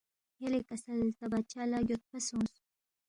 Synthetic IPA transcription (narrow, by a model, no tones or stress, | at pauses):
jalekasalt̪abat͡ʃalajot̪̚pasõs